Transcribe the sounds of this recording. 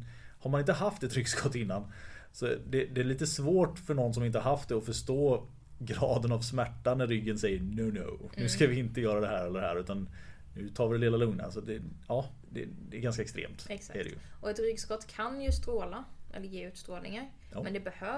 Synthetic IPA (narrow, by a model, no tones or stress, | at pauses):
haɾmanɪnt̪əɦaft̪ɛt̪ɾʏɡskɔt̪ɪnːansɔd̪ɛd̪ɛːɭiːt̪əsvoːʈfœɳɔnːs̬ɔmɪnt̪əhaɾɦaft̪̚d̪ɛɔfœʂʈoː | ɡɾɑːd̪ənavsmæʈːanæːʏɡːənsɛjːənoʊno̰ʊnʉ̟ːskavɪɪnt̪əjœːɾad̪ɛɦæːɾɛlːəɖɛɦæ̰ːɾʉ̟ːt̪an | nʉ̟t̪ʰɑːɾvɪd̪ɛlɪːlalɵŋna̰sat̪̚d̪ɛɑː | d̪ɛ̰d̪ɛːɾɡanskaɛkst̪ɾḛːmt̪sæɖɛ̰jɵ̰ʔɔɛt̪ɾʏɡskɔt̪ːkʰanjɵst̪ɾoːlaʔɛ̰lːəɾjeːʉ̟ːt̪st̪ɾoːlnɪŋaɾ | mɛnd̪ɛbɛhøː